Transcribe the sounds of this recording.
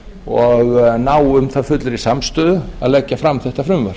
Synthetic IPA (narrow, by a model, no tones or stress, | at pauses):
ɔɣnaːwʏmθaðfʏt̪lʏɾisamst̪œːðʏa̰ðlɛcːafɾamθɛht̪afɾʏmvaɾ̥